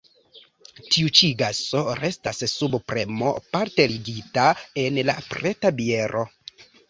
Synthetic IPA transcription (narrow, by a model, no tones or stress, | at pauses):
tʰiut͡ʃiɡaso̞ɾe̞stassubpɾe̞mopaɾte̞liɡitae̞nlapɾe̞tabie̞ɾʔo̞